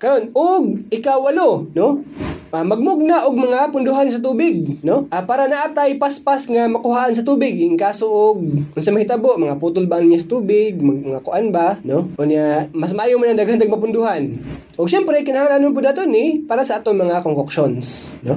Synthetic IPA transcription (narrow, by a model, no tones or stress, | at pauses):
kɐɾonoɡ̚ɪkawːɐlonoʔamɐɡ̚mʊɡ̚naʔoɡ̚mɐŋapʊnd̪ʊɦans̬ɐt̪̬uːbɪɡ̚noʔapaːɾanaʔat̪ajpaspasŋamɐkʊhaːʔans̬ɐt̪uːbɪɡɪŋkaːsoʔoɡ̚ʊnsamɐhɪt̪aboʔmɐŋapuːt̪ʊlbaʔanɲasɐt̪uːbɪɡ̚maɡmɐŋakʊʔanbanoʔonamas̬mɐʔaːjomanɐŋd̪aɡhant̪aɡ̚mɐp̬ʊnd̪ʊhan | ʔʊɡʃɛmpɾɛkɪnɐhaŋalanʊŋp̬ʊd̪at̪onɪpaːɾasɐʔaːt̪oŋmɐŋakoŋkokʃonsno